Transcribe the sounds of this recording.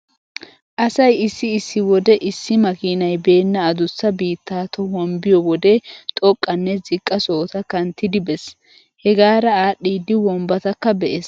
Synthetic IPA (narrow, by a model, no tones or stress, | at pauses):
ʔɐsɐjɪsːɪːsːɪwɔd̪ɛʔɪsːɪmɐkiːnɐjbe̞ːnːɐːd̪ʊsːɐbiːt̪ːaːt̪ɔwɔmbɪjɔwɔd̪ɛt̪ʼɔkʼːɐnːɛzɪkʼːɐso̞ːt̪ɐkɐnt̪ːɪd̪ɪbɛs | hɛɡaːɾɐaːɗːiːd̪ɪwɔmbɐt̪ɐkːɐbɛʔes